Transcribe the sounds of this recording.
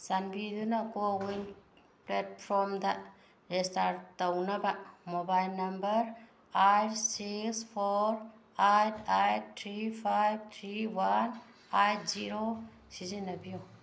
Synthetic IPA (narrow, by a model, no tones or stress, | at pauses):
sanbid̪unakowin | pletpʰɾɔmd̪a | lestaɾt̪ɐwnɐbamobajlnɐmbɐɾ | ajʈsikspʰoɾ | ajtʰajttʰɾipʰajb̚t̪ʰɾiwan | ajtziɾo | sizinɐbijo